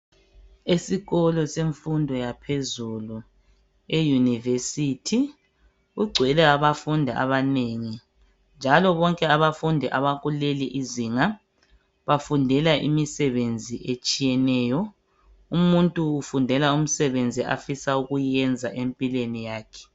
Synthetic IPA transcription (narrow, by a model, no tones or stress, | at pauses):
esiɣɔlɔseɱfundʱɔjapʰezulu | ejunivesitʰi | ɣuɡ͡ǀʱwɛlɛaβafundʱaʔa̰βaneŋi | nd͡ʒʱalɔβɔŋkʼɛaβafundʱɛʔaβaɣuleliʔiziːŋa | βafundʱɛlaʔḭmisɛβend͡zʱiʔet͡ʃʼijɛnɛːjɔ | umuntʼuːfundʱɛlaum̩sɛβend͡zʱiʔa̰fisauɣujɛnd͡zʱaʔempʼilenijaːkʰɛ̥